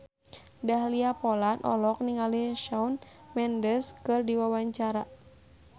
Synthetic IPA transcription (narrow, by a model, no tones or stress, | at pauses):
daɦliapɔlanʔɔ̰lɔk̚niŋaliʃaunmɛndəskɨrdiwawaɲt͡ʃaɾa